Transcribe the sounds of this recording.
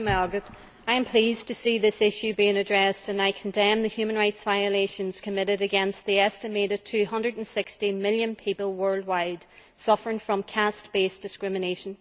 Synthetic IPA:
maɔɡət | aɪɨ̃mpʰl̥iztʰɨsiðɪsɪʃʉbiɪ̃ŋɨdɹɛstə̃naɪkʰə̃n̩dɛ̃mðɨhjʉmənɹaɪtsv̥aɪəleʃə̃nz̥kʰəmɪɾɪɾɨɡɛ̃nst̪̚ðiɛstɨmeɾʌv̥tʰʉːhʌ̃ndɹəd̃n̩sɪkstimɪlˠjə̃npʰipəl̩ˠwɜ˞lˠd̚waɪd̥ | sʌfə˞ɪ̃ŋfɹʌ̃mkʰastb̥esd̥ɨskɹɪmɨneʃə̃n

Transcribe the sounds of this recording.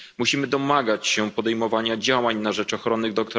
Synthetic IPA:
muɕimɘd̪ɔmaɡat͡ɕɕɛpɔd̪ɛjmɔvaɲad͡ʑawaɲnaʐɛt͡ʂɔxɾɔnːɘɣd̪ɔk̚t̪ɔ

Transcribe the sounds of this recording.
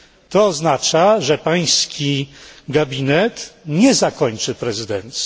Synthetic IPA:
t̪ɔːznat͡ʂaʐɛpaj̃skʲiɡabʲinɛt̪ɲɛzakɔɲt͡ʂɘpɾɛzɘd̪ɛnt̪sʲ

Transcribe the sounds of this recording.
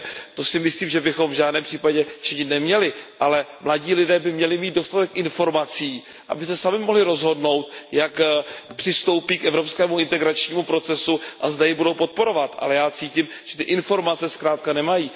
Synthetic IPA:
t̪o̞sɪmɪsliːmʒɛbɪxo̞mvʒaːdnɛːmpr̥iːpaɟɛt͡ʃɪɲɪt̪nɛmɲɛlɪʔalɛmlaɟiːlɪdɛːbɪmɲɛlɪmiːd̪̚do̞st̪at̪ɛkʔɪnfo̞ɾmat͡siː | ʔa̰bɪsɛsamɪmoɦlɪɾo̞zɦo̞dno̞wt̪jakpr̥ɪst̪o̞wpiːkʔɛvɾo̞pskɛːmuɪnt̪ɛɡɾat͡ʃɲiːmupɾo̞t͡sɛsuʔazdajɪbudo̞wpo̞t̪̚po̞ɾo̞vat̪ʔa̰lɛjaːt͡siːcim | ʒ̥ɛt̪ɪʔɪnfo̞ɾmat͡sɛskɾaːt̪̚kanɛmajiː

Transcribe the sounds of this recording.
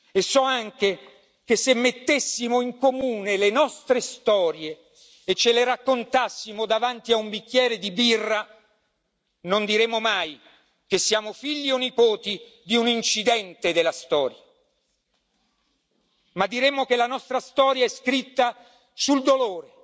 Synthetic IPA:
esːɔaŋk̟e | kesːemːet̪ːesːimoiŋkomuːnelenɔst̪ɾest̪ɔːɾjeː | t͡ʃːeleɾakːont̪asːimod̪avant̪iaumbik̟ːjɛːɾed̪ibirːa | nond̪iɾemːomaj | kesːiaːmofiʎːionːipoːt̪id̪iunint͡ʃid̪ɛnt̪ed̪elːast̪ɔːɾja | mad̪ːiɾemːok̟elanɔst̪ɾast̪ɔːɾjaɛskɾit̪ːa | suld̪oloːɾe

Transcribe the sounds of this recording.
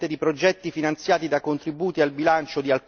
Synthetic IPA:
t̪ed̪ipɾod͡ʒɛt̪ːifinant̪sjaːt̪id̪akont̪ɾibuːt̪ialbilant͡ʃod̪ial

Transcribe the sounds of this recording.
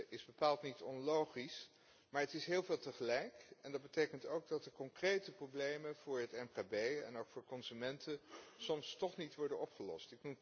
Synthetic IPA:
ʔɪzbəpaːlˠtnitɔnlowχis | maːɹətɪsɦɪːlˠveːlˠtəχəlɛjkɛndɑd̚bətejkəntowɡ̚dɑtəkɔŋkrejtəprowblejməv̥ʊːɹɦətɛmkaːbejɛ̰noʊwkfʊːɹkɔnzymɛntəsɔmstɔχnitʋɔɹdənɔpχəlɔ̰stɪknum

